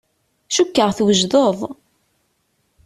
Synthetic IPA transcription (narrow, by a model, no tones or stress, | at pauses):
ʃukːəʁθwəʒðoðˤ